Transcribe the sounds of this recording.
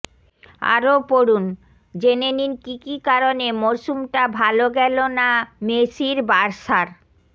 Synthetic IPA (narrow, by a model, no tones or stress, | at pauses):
a̰ɾopoɾun | d͡ʑeneninkikikaɾonemoɾʃumʈabʱaloɡɛlonameʃiɾbaɾʃaɾ